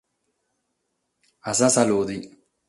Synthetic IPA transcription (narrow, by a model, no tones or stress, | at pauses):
asasalod̪i